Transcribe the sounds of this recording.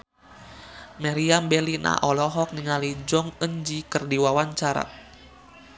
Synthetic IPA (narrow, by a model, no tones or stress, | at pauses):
maɾiambɛlina̰ʔɔlɔɦɔk̚niŋalid͡ʒɔŋəɲd͡ʒikərdiwawaɲt͡ʃaɾa̰